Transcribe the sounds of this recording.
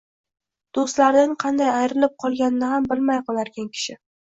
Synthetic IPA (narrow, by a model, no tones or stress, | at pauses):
d̪̥ost̪laɾnɪŋqʰɑnd̪ajajɾɪlɪp̚qʰɒlˠɡʲanɪnɪhambɪlmajqɒlaɾɡʲankʲʰɪ̥ʃɪ